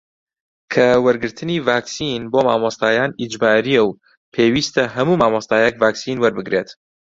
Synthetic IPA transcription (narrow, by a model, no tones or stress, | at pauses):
kʰɐwɐɾɡɨɾt̪ʰɨniːvaːksinboːma̰ːmɑst̪aːjaːnid͡ʒbaːɾijɛw | pʰeːwiːst̪ɐɦɐmuːmaːmɑst̪aːjɛkvaːksiːnwɐɾbɨɡɾeːt̪